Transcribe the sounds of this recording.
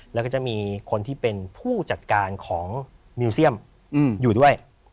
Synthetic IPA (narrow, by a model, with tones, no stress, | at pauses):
lɛ˦˥kɔː˥˩t͡ɕa˩ʔmiː˧kʰo˧nt̪ʰiː˥˩pe˧npʰuː˥˩t͡ɕa˨˩t̪̚kaː˧nkʰɔː˩˦ŋ | niː˧si˥˩əm | ɯː˧˩juː˨˩du˥˩əj